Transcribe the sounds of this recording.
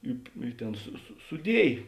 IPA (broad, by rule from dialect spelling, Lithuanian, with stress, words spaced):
ˈɪ ɪ ˈtʲeːn sʊ sʊ sʊˈdʲiɛj